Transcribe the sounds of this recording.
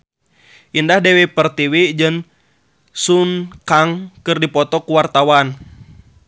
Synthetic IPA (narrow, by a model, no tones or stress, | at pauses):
ʔindahdɛwɛpərt̪iwid͡ʒɨŋ | sunkaŋkɨrdipɔt̪ɔkuwart̪awan